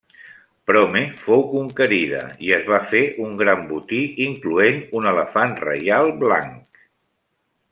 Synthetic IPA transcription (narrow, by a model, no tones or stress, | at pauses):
pɾɔmefowkuŋkəɾið̞ə̰iəzβafeʔuŋɡɾambut̪iiŋkluenunələfanrə̰jalˠbla̰ŋk